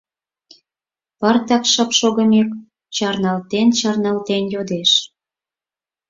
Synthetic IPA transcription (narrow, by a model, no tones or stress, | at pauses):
pɑrt̪ɑkʃə̆pʃoɣə̆mek | t͡ɕɑrnɑlt̪ent͡ɕɑrnɑlt̪enjod̪eʃ